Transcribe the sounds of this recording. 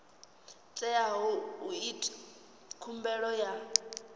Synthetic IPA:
t͡sʼɛaɦɔuitʼ | kʰumbɛɺɔja

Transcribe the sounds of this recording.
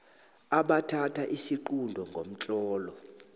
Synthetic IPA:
aɓatʰatʰaʔisiǃundʱɔŋɡʱom̩t͡ɬʼɔːlɔ

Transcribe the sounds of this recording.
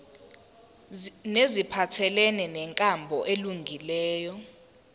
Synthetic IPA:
nezipʰatʰɛlɛnɛnɛŋkʼambʱɔʔeluŋɡʱilɛːjɔ

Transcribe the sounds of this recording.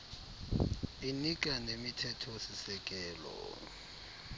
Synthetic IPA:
inik̬ʼanemitʰɛtʰɔsisɛk̬ʼɛːlɔ̰

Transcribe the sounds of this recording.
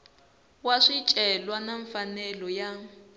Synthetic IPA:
waʂit͡ʃʼɛlwanaɱfanɛlɔja

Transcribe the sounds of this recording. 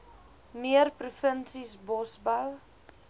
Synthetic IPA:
miərprufənsisbɔsbəw

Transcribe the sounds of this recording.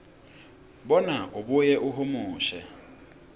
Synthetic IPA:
bɔnaʔʊbʊjɛʔʊɦʊmʊːʃɛ

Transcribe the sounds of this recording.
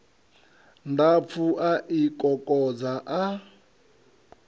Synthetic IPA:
ndap̪fʰuʔaʔikʼɔkʼɔd͡zaʔa

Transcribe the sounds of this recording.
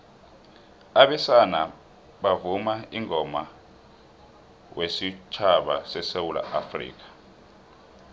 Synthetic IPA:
aɓɛsana | ɓavumaiŋʱɔma | wesit͡ʃʰaɓasɛsewula̰ʔafrḭːk̬ḁ

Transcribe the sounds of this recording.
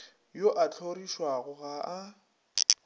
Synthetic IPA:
joʔat͡ɬʰoriʃwaɣʊɣaʔa

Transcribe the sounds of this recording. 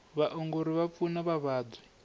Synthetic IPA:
βaʔɔŋɡoɾiβap̪funaβaβaːdwi

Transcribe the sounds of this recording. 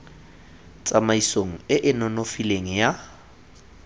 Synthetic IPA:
t͡sʼamaisoŋ̩ɪʔɪnɔnofileŋ̩ja

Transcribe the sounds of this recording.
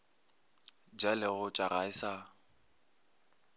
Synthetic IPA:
d͡ʒalɪɣʊt͡ʃʼaɣaɪsa

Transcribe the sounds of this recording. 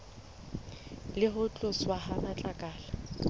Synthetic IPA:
lɪɦʊt͡ɬʼʊswahanat͡ɬʼakʼaːla

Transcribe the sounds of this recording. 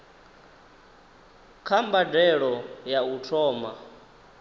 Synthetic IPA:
kʰambadɛɺɔjautʰɔːma̰

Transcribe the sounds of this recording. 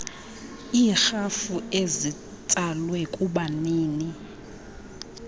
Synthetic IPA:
iːxafuezi | t͡sʼalwɛkʼuɓaniːni

